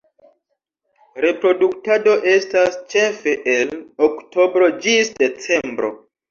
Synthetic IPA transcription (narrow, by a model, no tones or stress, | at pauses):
ɾe̞pɾo̞duktado̞ʔe̞stast͡ʃe̞fe̞ʔelokto̞bɾo̞d͡ʒisde̞t͡se̞mbɾo̞̰